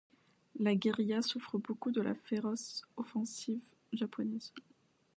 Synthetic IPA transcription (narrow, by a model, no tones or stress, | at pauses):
laɡeʁijasufχəbokud̪əla̰feʁɔsɔfɑ̃siv | ʒapʰɔnɛz